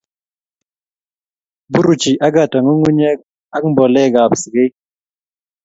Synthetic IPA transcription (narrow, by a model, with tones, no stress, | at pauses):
bu˦ɾu˨t͡ʃi˨ʔa˦ɡa˨tɔ˨ŋo˦ŋu˦ɲɛ˦k̚ | a˦kmbɔ˨lɛ˦˨ɡa˨psɡe˦